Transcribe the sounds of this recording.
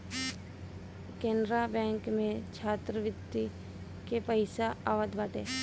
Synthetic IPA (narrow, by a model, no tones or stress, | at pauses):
kẽːnɾabɛ̃ːŋkmẽt͡ʃʰaːt̪ɾəʋɪt̪ːi | kepəɪsaaːʋəd̪ʋaːʈeː